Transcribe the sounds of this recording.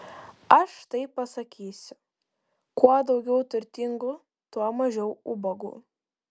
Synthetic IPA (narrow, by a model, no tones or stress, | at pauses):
ɐʃt̪ɐɪpɐsɐkʲiːsʲʊ̥ | kuɔd̪ɒʊɡʲɛʊt̪ʊɾʲt̪ʲɪŋɡʊ | t̪uɔmɐʒʲɛʊʊbɐɡṵː